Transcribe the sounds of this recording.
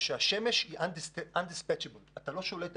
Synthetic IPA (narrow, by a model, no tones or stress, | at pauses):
ʃeaʃe̞meʃhiʔand̪isʔand̪ispɛt͡ʃebelat̪alo̞ʃo̞let̪